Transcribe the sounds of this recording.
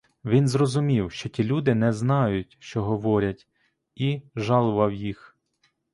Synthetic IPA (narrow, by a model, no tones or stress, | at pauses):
ʋʲinzrɔzʊmʲiwʃt͡ʃɔtʲilʲud̪ɪnɛznɑjʊtʲʃt͡ʃɔɦɔʋɔɾʲɐtʲ | iʒɑlˠʊʋɐwjix